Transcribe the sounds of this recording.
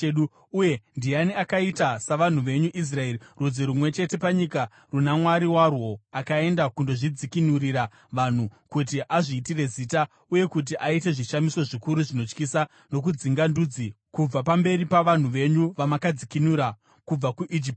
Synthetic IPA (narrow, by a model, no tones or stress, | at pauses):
ɗu | ujendianiakaitasaʋan̤uʋe̞ɲuʔis̬rae̞ɾirud͡ziɾumwe̞t͡ʃe̞te̞paɲika | runamwaɾiwarwo̞akae̞ndakundo̞ʐid͡zikinurira | ʋan̤ukut̬iʔaʐiːtire̞ziːta | uje̞kut̬iʔaite̞ʐiʃamiso̞ʐikuɾuʐino̞t͡ʃkisa | no̞k̬ud͡ziŋɡandud͡zi | kub͡vapambe̞ripaʋan̤uʋe̞ɲuʋamakad͡zikinuɾa | kub͡vakuʔid͡ʒip̚t